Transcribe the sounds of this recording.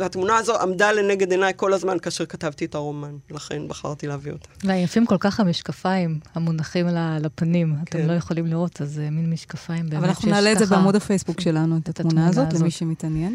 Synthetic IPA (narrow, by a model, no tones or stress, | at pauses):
hat̪munaːzo̞amdale̞neɡe̞d̪enajko̞lazmankaːʃeʁkatavtietaʁo̞manlaχe̞̰nbaχa̰ʁt̪ileaviot̪ḁveajafimko̞lkaχamiʃkafaimhamunaχimlalapanimat̪emlo̞je̞χolimliʁo̞tazeminmiʃkafaimbevvalanaxunalezebeamudafejsbukʃelanuet̪at̪amunaazolemiʃemitanjen